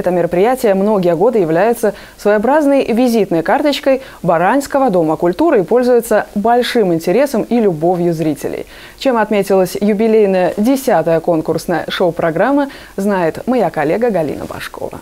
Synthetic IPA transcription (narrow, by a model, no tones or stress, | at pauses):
ɛt̪əmʲɪɾəpɾʲɪjætʲɪjəmno̞ɡʲɪjəɡo̞d̪ɨjɪvlʲæjɪt̪sə | svəjabɾaznəjvʲɪzʲit̪nəjkart̪ət͡ɕkəj | bɐɾanʲskəvəd̪o̞məkʊlʲt̪uɾɨɪpo̞lʲzʊjɪt̪səbɐlʲʂɨmɪnʲtʲɪɾʲe̞səmilʲʊbo̞vʲjʊzɾʲitʲɪ̰lʲɪ̰j | t͡ɕe̞mɐt̪mʲetʲɪlˠəsʲjʊbʲɪlʲejnəjədʲɪsʲat̪əjəko̞nkʊrsnəjə̰ʂoʊpɾɐɡɾamːə | znajɪt̪mɐjakɐlʲe̞ɡəɡɐlʲḭnə̰bɐ̰ʂko̞̰və̰